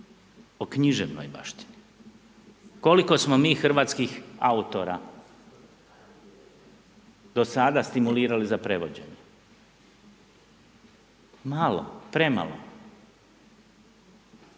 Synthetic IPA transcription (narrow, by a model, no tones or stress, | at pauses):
okɲiʒeʋno̰jba̰ʃt̪i̥ni | ko̞liko̞smomiːxr̩ʋaːt̪skixaut̪o̞ɾa̰ | d̪̥o̞sad̪ast̪imuliːɾalizapɾe̞ʋo̞d͡ʑe̞̰ɲe | malo̰pɾe̞ma̰lo̰